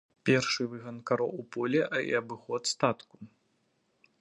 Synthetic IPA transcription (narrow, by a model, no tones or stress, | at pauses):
pʲɛrʂɨvɨɣɐnkaɾɔupɔlʲɛʔḭɐbɨxɔt̪st̪at̪ku̥